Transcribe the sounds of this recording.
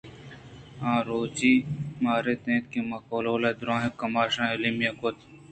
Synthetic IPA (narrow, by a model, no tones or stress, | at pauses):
ãːɾoːd͡ʒimaːɾet̪ẽːt̪̚kemɐkoːloːlɐd̪ɾõːɦẽkɐmaːʃãːelimjɐkot̪